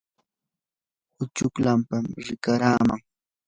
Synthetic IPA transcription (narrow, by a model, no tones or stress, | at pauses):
ʊt͡ʃʊklampamɾɪkaɾaːmaŋ